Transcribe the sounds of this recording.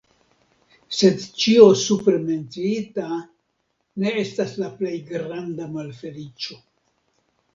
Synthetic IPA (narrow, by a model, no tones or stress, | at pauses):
se̞dt͡ʃio̞supɾe̞me̞nt͡siita | ne̞e̞staslaple̞jɡɾandamalfe̞lit͡ʃo̞